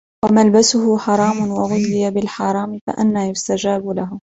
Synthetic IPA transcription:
wamalbasʊhʊħɑɾˤɑːmʊnwaɣʊlːɪjabɪlħɑɾˤɑːmɪfa̰ʔa̰nːajʊst̪ad͡ʒaːbʊlaɦʊ

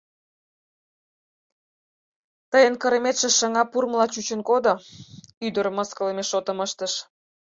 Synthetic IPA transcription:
t̪əjənkəɾəmet̪ʃĕʃəŋɑpurməlɑt͡ɕut͡ɕənkod̪o | yd̪əɾməskələmeʃot̪ə̆məʃt̪əʃ

